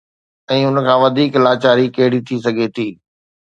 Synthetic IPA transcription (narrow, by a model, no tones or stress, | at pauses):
ɛ̃ːʊnkʰãːʋɐd̪ʱiːklaːt͡ɕaːɾikeːɽit̪ʰisɐɡʱet̪ʰiː